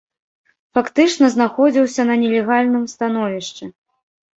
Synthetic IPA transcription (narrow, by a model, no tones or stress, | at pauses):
fakt̪ɨt͡ʂnɐzn̪axɔd͡zʲiwsʲɐnɐnʲɛlʲɛɣalʲnɨmst̪an̪ɔvʲiʂt͡ʂɛ